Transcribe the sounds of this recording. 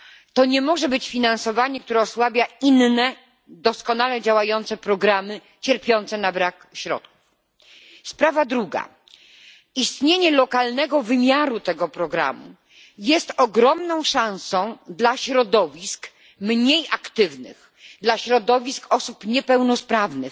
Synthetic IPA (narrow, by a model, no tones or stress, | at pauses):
t̪ɔɲɛmɔʐɛbɘt͡ɕfʲinãnsɔvaɲɛk̚t̪uɾɛɔswabʲjainnɛ | d̪ɔskɔnalɛd͡ʑawajɔnt̪sɛpɾɔɡɾamɘ | t͡ɕɛɾpʲjɔnt̪sɛnabɾakɕɾɔ̰t̪̚ku̥f | spɾavad̪ɾuɡa̰ | ist̪ɲeɲɛlɔkalnɛɡɔvɘmʲjaɾut̪ɛɡɔpɾɔɡɾa̰mṵ | jɛst̪ɔɡɾɔmnɔ̃w̃ʂãw̃sɔ̃w̃d̪laɕɾɔd̪ɔvʲisk | mɲejakt̪ɘvnɘ̰x | d̪laɕɾɔd̪ɔvʲiskɔsupɲɛpɛwnɔspɾavnɘx